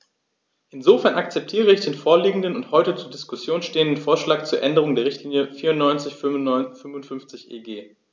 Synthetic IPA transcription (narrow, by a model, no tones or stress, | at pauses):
ʔɪnzofɛɐnakt͡sɛp̚tʰiːʁəɪçd̥eːnfoːɐliːɡŋ̩dənʊnthɔʏtət͡suːɐdɪskʊsjoːnʃteːəndən̩foːɐʃlaːk̚t͡suːɐʔɛndəʁ̞ʊŋdeːɐʁɪçtʰliːnjəfiːɐʊnɔʏnt͡sɪçfʏmvʊntfʏnft͡sɪçʔeːɡeː